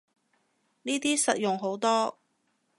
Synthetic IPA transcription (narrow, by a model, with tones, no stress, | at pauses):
niː˥t̪iː˥sɐ˨t̚jʊ˨ŋɦo˨˥wt̪ɔː˥